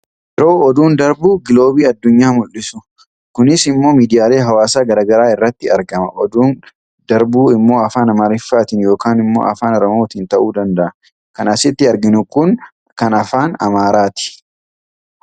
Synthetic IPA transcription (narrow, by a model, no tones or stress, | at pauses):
ʔɪɾo̞ːɔd̪uːnd̪ɐɾbuːɡɪlo̞ːbiːɐd̪ːʊɲːaːmʊlːɪsʊ | kʊnɪsɪmːo̞ːmiːd̪ɪjaːle̞ːɦɐwaːsaːɡɐɾaːɡɐɾaːɪrːɐt̪ːɪɐɾɡɐmɐʔɔd̪uːn | d̪ɐɾbuːɪmːo̞ːɐfaːnɐmaːɾɪfːaːt̪ɪnjo̞ːkaːnɪmːo̞̰ːʔɐ̰faːnɔɾɔmoːt̪iːnt̪ɐʔuːd̪ɐnd̪ɐʔɐ | kɐnɐsɪt̪ːɪɐɾɡɪnʊkʊn | kɐnɐfaːnɐ̰maːɾaːt̪ɪ̥